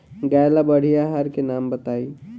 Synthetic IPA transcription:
ɡajlabəɽ̤ijaɦaɾkenaːmbət̪aːi

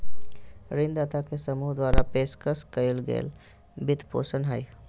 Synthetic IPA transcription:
ɾind̪at̪akesəmuɦd̪waɾapeskəskəɪlɡḛːl | bit̪po̰sənɦəj

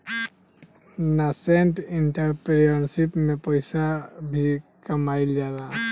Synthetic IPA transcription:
naseɳʈɪɳʈəɾpɾjənsipmẽpəɪsabʱikəmaild͡ʒaːda

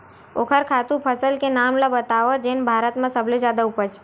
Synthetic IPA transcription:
okʰəɾkʰat̪ũpʰəsəlkenamlabət̪aʋəd͡ʒenbʱaɾət̪mãsəbled͡ʒad̪aupət͡ʃʰ

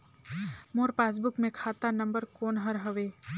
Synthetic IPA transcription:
moːɾpaːs̬bʊkmẽkʰaːt̪anɐ̃mbəɾkoːnɦəɾɦəʋeː

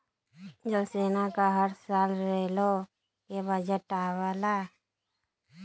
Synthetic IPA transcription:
d͡ʒəlseːnakaɦəɾsaːlɾeːlo | kebəd͡ʒəʈaːwala

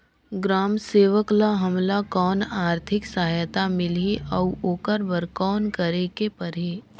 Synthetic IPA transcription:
ɡɾaːmseːʋəklaɦɐmlakɔːnaːɾt̪ʰɪksaɦjt̪amɪlɦiʔɔoːkəɾbəɾkɔːnkəɾekepɐɾɦiː

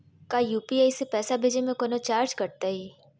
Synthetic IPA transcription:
kajuːpiaːisepɛːsabʱeːd͡ʒemẽkoːnot͡ʃaːɾd͡ʒkɐɾt̪aɦiː

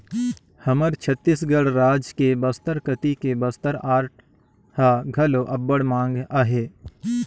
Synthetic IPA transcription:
hɐməɾt͡ʃʰət̪ːisɡəɽɾaːd͡ʒkebɐst̪əɾkət̪ikebəst̪əɾaːɾʈ̚ | haɡʱɐloʔɐbːəɽmãːŋɡaːɦeː

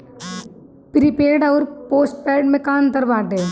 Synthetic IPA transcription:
pɾipeːɖɔːɾpoːsʈ̚pɛːɖmẽkaːnt̪ɐɾbaːk̚d̪eː

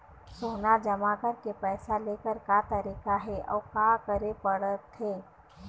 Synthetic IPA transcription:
soːnad͡ʒɐmakəɾkepɛːsaleːkəɾkat̪ɐɾiːkaɦɛʔɔ̰ːkakəɾepəɽət̪ɦeː

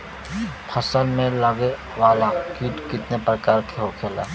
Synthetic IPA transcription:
pʰəsənmẽləɡe | ʋaːlakiʈkɪt̪nepɾəkaːɾkʰeɦokʰeːla̰ː

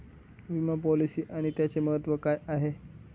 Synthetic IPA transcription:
ʋiməpɔlisiːʔaɽ̃it̪jat͡seməɦət̪ʋəkajaɦe

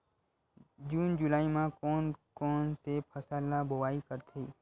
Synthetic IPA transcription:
d͡ʒuːnd͡ʒʊlaːimãkɔːnkɔːnsepʰɐsaːlabʊwaːikəɾt̪ʰeː

